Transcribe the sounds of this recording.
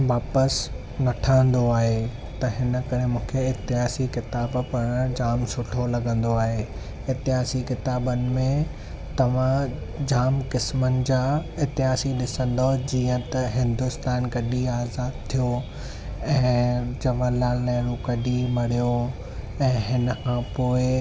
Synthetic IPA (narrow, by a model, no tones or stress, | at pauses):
ʋaːpəs | nɐʈʰaːə̃n̆d̪oaːɦe | t̪ɐɦɪnə̆kɐɾ̤emũːkʰeɪt̪ɪɦaːsikɪt̪aːbpɐɽ̃d͡ʑaːmsʊʈʰolɐɡə̃nd̪oaːɦe | ɪt̪ɪɦaːsikɪt̪aːbənɪ̆mẽ | t̪ɐʋ̤ã | d͡ʑaːmkɪsmənɪ̆d͡ʑaːɪt̪ɪɦaːsiɗɪsə̃nd̪od͡ʑiːə̃t̪ɐɦɪ̃nd̪ʊst̪aːnkɐɗiaːzaːd̪̚t̪ʰijo | ɛ̃ːd͡ʑɐʋəlaːlnãːɾukɐɗimɐɽ̤ijo | ɛ̃ːɦɪnə̆kʰãːpoːɪ